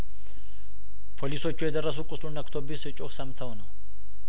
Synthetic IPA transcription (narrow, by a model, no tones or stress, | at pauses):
pʰolisɔt͡ʃːʊɔjɛd̪ɐɾɐs̬ʊkʼːʊslʊnɐkt̪ʰɔbɪsɪt͡ʃʼɔksɐmt̪ʰɐwɔnɐ